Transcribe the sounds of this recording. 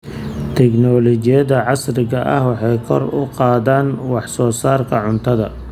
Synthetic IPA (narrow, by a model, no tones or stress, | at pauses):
t̪ʰɛknɔːlɔt͡ʃɪjɐðɐʕɑsrɪɣɐʔɐ̰hwɑħɑjkʰɔ̰rʊqɑːðaːnwɑħsɔːsaːrkʰɐʕʊnt̪ʰɐðɐ̰